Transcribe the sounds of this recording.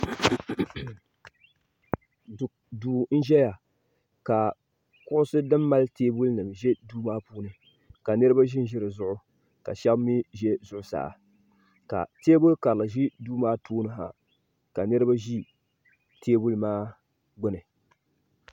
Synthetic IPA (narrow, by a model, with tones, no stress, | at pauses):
duː˨n̩˦ʒɛ˦ja˨ | ka˨ | kʊ˦ʔʊ˦sɨ˦dɨ˦mːa˦lteː˦bu˦lnɨ˨mʒɛ˦duː˦maː˦puː˦nɨ˨ | ka˨nɨ˦ɾɨ˦ba˦ʒi˦n˦ʒɪ˦ɾɨ˨zʊ˦ʔʊ˦ | ka̰˨ʃɛ˦bmi˦ʒɛ˦zʊ˦ʔʊ˨sa̰ː˨ | ka̰˨teː˦bʊ˦lka˨ɾla˨ʒi˦duː˦maː˦tʰoː˦nɨ˦ɦa̰˨ | ka˨nɨ˦ɾɨ˦ba˦ʒi˦ | tʰeː˦bu˦lmaː˦ | ɡʊ˦nɨ˨